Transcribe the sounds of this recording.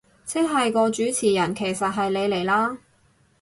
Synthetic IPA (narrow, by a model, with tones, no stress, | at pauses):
t͡sʰɪ˥k̚ɦɐ˨jkɔː˧t͡ʃyː˨˥t͡sʰiː˨˩jɐ˨˩nkʰe˨˩jsɐ˨t̚ɦɐ˨jle˨˧jle˨˩jlaː˥